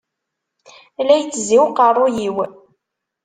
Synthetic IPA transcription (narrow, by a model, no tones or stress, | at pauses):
læjt͡sːziwqərˤːʊjiw